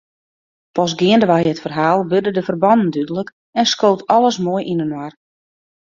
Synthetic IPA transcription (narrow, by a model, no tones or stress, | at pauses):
pɔs̬ɡɪəndəʋajətfərɦaːlˠʋørdədəfərbɔnən̩dydələk | ɛnskowtɔlˠəsmoəjʔinənwar